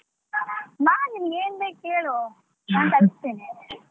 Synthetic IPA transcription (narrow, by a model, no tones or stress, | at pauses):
maːnimɐɡeːnbeːkkːeːɭo | ɐnt̪ɐdist̪eːne